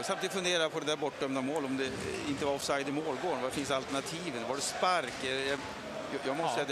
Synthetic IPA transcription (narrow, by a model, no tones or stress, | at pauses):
samt̪iːd̪ɪfɵnd̪eːɾapʰɔd̪ɛd̪æːɾbɔʈːœmnamoːlɔmd̪ɛɪnt̪əvaɾɔfsajd̪ɪmoːlɡoːɳʋvadfɪnsalt̪əɳat̪ʰiːvənʋaɖɛspaɾkɛja | jjɑːɡmɔst̪ːsɛjat̪d̪